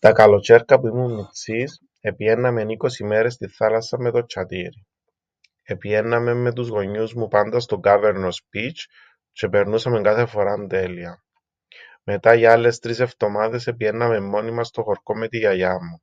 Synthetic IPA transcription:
t̪ɐkɐlo̞t͡ʃe̞ɾkɐpuimumːiksis | e̞pie̞nːɐme̞niko̞simeɾe̞st̪iθalɐsɐmːe̞t̪o̞t͡ʃʰːɐt̪iɾi | epie̞nːɐme̞mːe̞t̪̬uzɣo̞ɲːuzmupand̪ɐst̪oɡave̞ɾnospit͡ʃ | t͡ʃe̞pe̞ɾnusɐme̞ŋɡaθe̞fo̞ɾand̪e̞liɐ | me̞t̪aʝalːe̞st̪ɾise̞ft̪o̞maðe̞sepiʝenːɐme̞mːo̞nimɐst̪o̞xoɾkomːet̪iʝɐjamːu

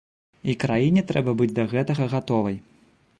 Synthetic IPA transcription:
ikɾajinʲɛt̪ɾɛbɐbɨd͡zʲd̪ɐɣɛt̪ɐɣɐɣat̪ɔvɐj

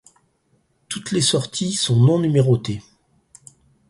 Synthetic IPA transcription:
t̪ut̪lesɔʁt̪ʰisɔ̃nɔ̃nymeʁot̪e

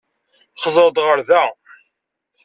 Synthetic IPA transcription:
χəzˤəɾd̪ˤʁəɾðæ

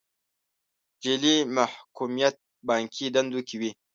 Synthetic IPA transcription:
d͡ʒelimahkumijat̪̚ | bɑːŋkʰid̪and̪ukiwi

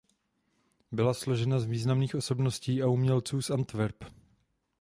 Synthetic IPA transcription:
bɪlaslo̞ʒɛnazviːznamniːxʔo̞so̞bnosciːʔaumɲɛlt͡suːsʔant̪vɛɾp

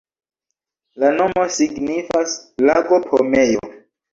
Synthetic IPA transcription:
lano̞mo̞siɡnifaslaɡo̞pʰomejo̰

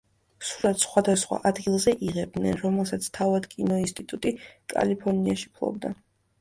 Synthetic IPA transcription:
sulat̪sχwad̪asχwa̰ʔad̪ɡilˠzɛʔiʁɛb̚d̪nɛ̰nɾɔmɛlˠsat̪sʰt̪ʰavad̪kʼinɔinst̪ʼit̪ʼut̪ʼikʼa̰lipʰɔɾniaʃi̥pʰlˠɔ̰b̚d̪a

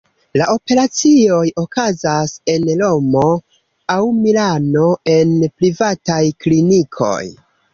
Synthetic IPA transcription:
laʔo̞pe̞ɾat͡sio̞jo̞kazase̞nlo̞mo̞ | awmilano̞e̞npɾivatajklinikʰo̞̰j

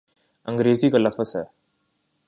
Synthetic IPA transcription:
əŋɡɾeːziːkaːləfəsɛː

